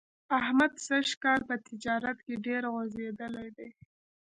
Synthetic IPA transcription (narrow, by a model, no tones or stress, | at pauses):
ahmad̪saʃkɑlpət̪ɪd͡ʒɑɾat̪keɖeɾɣozed̪əlajd̪ej